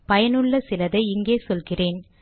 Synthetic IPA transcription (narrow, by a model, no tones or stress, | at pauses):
pɐjɐnɯɭːɐsɪlɐðɐɪɪŋɡeːsɔlɣɪreːn